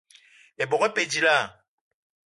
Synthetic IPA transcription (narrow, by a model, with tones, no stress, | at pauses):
ɛ˨bɔ˨ɣɛ˦pe˨d͡ʒi˨la˦˨